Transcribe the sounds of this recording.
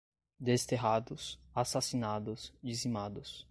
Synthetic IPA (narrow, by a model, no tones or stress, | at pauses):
d̪est̪eɦad̪ʊsasasinad̪ʊsd͡ʒizimad̪ʊs